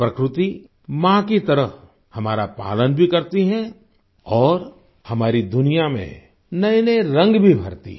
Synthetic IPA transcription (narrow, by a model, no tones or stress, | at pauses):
pɾɐkɾɪt̪i | mãkit̪ɐɾəɦ | hɐmaːɾapa̰ːlənbʱikɐɾt̪iɦɛ̃ | ɔːɾ | hɐmaːɾid̪ʊnijamḛ̃ | nɐenəeɾɐ̃ŋɡbʱibʱɐ̰ɾt̪ḭ